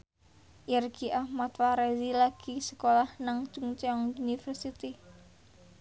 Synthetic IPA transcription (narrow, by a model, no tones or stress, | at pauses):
ʔirɡiʔahmat̪faɾezilaɡ̥isə̥kolahnaŋd͡ʒ̥uŋt͡ʃɛɔŋunifərsit̪i